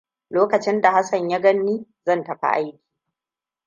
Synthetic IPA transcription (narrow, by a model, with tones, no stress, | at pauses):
loː˦kɐ˨t͡ʃɪ˦nda˨ha˦sɐ˨ɲja˦ɡɐ˦nːiː˦zɐ˦˨ntɐ˨ɸa̰˦ʔa̰˦jkʲi̥ː˨